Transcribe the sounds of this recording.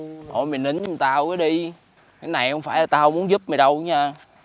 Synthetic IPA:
ʔo̰˧˩jmi˨˩nːɨ˨˦nə˧˦˨t̪aː˧wkaː˨˦jɗi˧ | kaː˨˦jna˨˩jhə˧wŋ͡mfaː˧˩jlaː˨˩t̪aː˧hə˧wŋ͡mmu˨˦ənzu˦˥p̚mə˨˩ɗə˧wɲaː˧

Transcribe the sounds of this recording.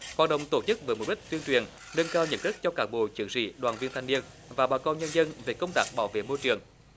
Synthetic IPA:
hwaː˨˩t̚ɗə̰˨wŋ͡mt̪o˧˩t͡ɕɨ˦˥k̚vəː˨˦jmo˨˩ɗï˦˥k̚t̪wi˧ənt͡ɕwi˨˩ən | ŋə˧nkaː˧wɲə̰˧˥n̚ɗɨ˦˥k̚t͡ɕɔ˧kaː˦˥k̚ɓo̰˧˨t͡ɕɨ˨˦əŋzḭ˧˩˨ɗwaː˨˩nvi˧ənt̪ʰa˧ŋni˧ən | vaː˨˩ɓaː˧˩kɔ˧nɲə˧nzə˧nve˨˩kə˧wŋ͡mt̪aː˦˥k̚ɓaː˧˩wvḛ˧˨mo˧jt͡ɕɨ˨˩əŋ

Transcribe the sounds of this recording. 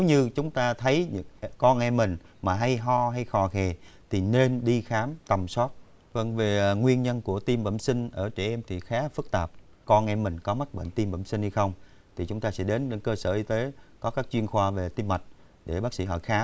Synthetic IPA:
ne˨˦wɲɨ˧t͡ɕʊ˨˦ŋ͡mt̪aː˧t̪ʰə˨˦jɲɨ̰˧˥ŋkɔ˧nʔɛ˧mːï˨˩ŋ̟ | maː˨˩ɦa˧jɦɔ˧ɦa˧jxɔ˨˩xɛ˨˩t̪ʰi˨˩ne˧nɗi˧xaː˨˦mt̪ə˨˩msɔ˦˥t̚ | və˧ŋve˨˩˨ŋwi˧ənɲə˧nku˧˩ət̪i˧mvə̰˧˩msï˧ŋ̟ʔəː˧˩t͡ɕɛ˧˩ʔɛ˧mt̪ʰi˨˩xaː˨˦fɨ˦˥k̚t̪aː˨˩p̚ | kɔ˧nʔɛ˧mːï˨˩ŋ̟kɔ˨˦ma˦˥t̚ɓə̰˧˨nt̪i˧mvə̰˧˩msï˧ŋ̟ha˧jxə˧wŋ͡m | t̪ʰi˨˩t͡ɕʊ˨˦ŋ͡mt̪aː˧sɛ̰˧˥ɗe˨˦nɗe˨˧˦nkəː˧səː˧˩ʔi˧t̪e˨˦kɔ˨˦kaː˦˥k̚t͡ɕwi˧ənxwaː˧ve˨˩t̪i˧mːa˨˩t̚ | ɗe˧˩ɓaː˦˥k̚sḭ˧˥˩ɦɔ̰˧˩jxaː˨˦

